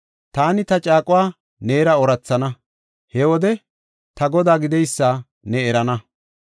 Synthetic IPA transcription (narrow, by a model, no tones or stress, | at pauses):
t̪aːnɪt̪ɐt͡ʃʼaːkʼʊwaː | neːɾɐɔɾɐt͡sːɐnɐ | hɛwɔd̪ɛ | t̪ɐɡɔd̪aːɡɪd̪ɛjsːaː | nɛɛɾɐnɐ